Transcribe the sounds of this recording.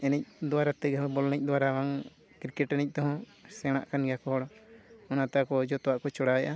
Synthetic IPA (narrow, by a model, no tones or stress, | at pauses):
ɛnɛc̚d̪ɔwaɾat̪ɛɡaɔbɔlnɛc̚ˀd̪ɔwaɾawaŋ | kiɾkɛʈɛnɛc̚ˀt̪ɔɦɔ̃ | sɛɽ̃a̰ʔkanɡɛjakɔɦɔɽɔɔnat̪akɔd͡ʒɔt̪ɔwaʔkɔt͡ʃɔɽaɛjʔa